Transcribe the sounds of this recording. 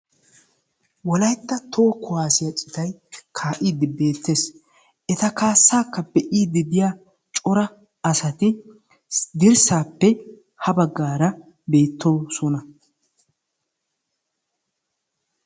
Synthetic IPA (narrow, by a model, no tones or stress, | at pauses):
wɔlɐjt̪ːɐt̪ʰo̞ːkʊwaːsɪjɐt͡ʃʼɪt̪ɐjkʰaːʔiːd̪ɪbe̞ːt̪ːe̞ːs | ʔɛt̪ɐkaːsːaːkːɐbɛʔiːd̪ɪb̪ɪjaː | t͡ʃʼɔɾɐ | ɐsɐt̪ɪ | d̪ɪɾsaːpːɛ | hɐbɐɡːaːɾɐ | be̞ːt̪ːoːsɔnɐ